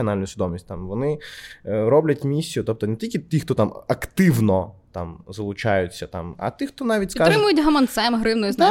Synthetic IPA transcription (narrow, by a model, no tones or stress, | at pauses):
ɐnalʲnʊjsʲʋʲɪd̪ɔmʲisʲtʲt̪amʋɔnɪ | ɾɔblʲɐtʲmʲisʲːijʊt̪ɔp̚t̪ɔnetʲilʲkʲɪt̪ʲixt̪ɔt̪amɐkt̪ɪʋnɔt̪amzɐlˠʊt͡ʃajʊt͡sʲːɐt̪a̰mɐ̰t̪ɪxt̪ɔnɑʋʲitʲspikaɾɪɪmʊjʊtʲɦɐmɐnt̪sɛmɦɾɪwnʊjʊzna